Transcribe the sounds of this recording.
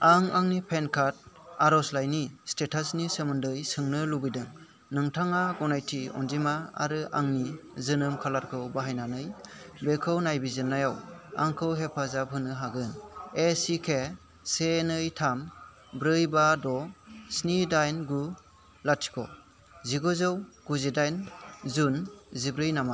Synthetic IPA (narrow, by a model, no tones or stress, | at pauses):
aŋaŋnipʰenkʰat̚aɾɔslajnistetʰasnisemɯndɯjsɯŋnɯlubidɯŋ | nɯŋtʰaŋaɡɔnajtʰiɔ̰nd͡ʒimaa̰ɾɯʔa̰ŋnizɯnɯmkʰalaɾkʰɯwbaɦajnanɯj | bekʰɯwnajbizɯnːajawa̰ŋkʰɯwɦepʰazapʰɯnɯɦaɡɯnesikʰe | senɯjtʰam | bɾɯjbadɔsnidajnɡu | latʰi̥kʰɔ | ziɡɔzɯwɡ̥uzidajnzunzibɾɯjnama